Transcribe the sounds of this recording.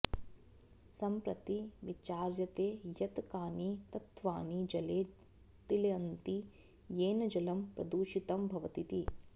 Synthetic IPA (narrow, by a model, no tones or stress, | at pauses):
sɐmpɾɐt̪iʋit͡ʃaːɾjɐt̪eːjɐt̪kaːnit̪ɐt̪ʋaːnid͡ʒɐleː | t̪ilɐjɐnt̪i | jeːnɐd͡ʒɐlɐmpɾɐ̰d̪uːʃit̪ɐmbʱɐʋɐt̪it̪i